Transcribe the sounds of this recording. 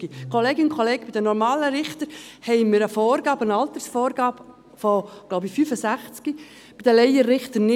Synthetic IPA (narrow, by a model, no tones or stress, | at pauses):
ɡ̥ikʰɔleːɡɪʊnkχɔleːɡ̥̚b̥idənɔɾmɑːləɾɪχtəɾhɛɪmɪɾəfɔːrɡɑːbənɑlt̪əɾsfɔːrɡɑːb | fɔ̥loʊbifyfəsæχt͡ski | b̥id̥̪əlɛɪəːɪχt̪ənɪ